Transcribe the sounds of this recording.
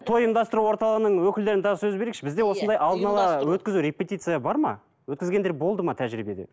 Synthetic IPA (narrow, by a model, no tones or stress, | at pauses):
t̪ʰo̞jimnd̪ɑst̪əɾuwo̞ɾt̪ɑlˠəʁənəɴwɵkʲɪld̪e̞ɾɪnd̪ɑʁsɵzbeɾe̞kʃɪbɪzd̪ewo̞sənd̪ɑjʔɑlˠd̪ənɑlˠɑwɵt̪̚kʲɪzuɾʲe̞pʲe̞t̪ʲijt̪sɨjabɑɾmɑ̰ | wɵt̪kʲɪzɡʲe̞nd̪e̞ɾbo̞lˠd̪əmɑt̪ʰæʒɾibe̞d̪ḛ